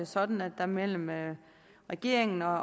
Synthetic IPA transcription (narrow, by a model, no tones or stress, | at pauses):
esɒ̽d̥n̩æd̥ːæmel̰m̩ø | ʁɛɡ̥e̝̰ɐ̰e̝ŋn̩ɒ̽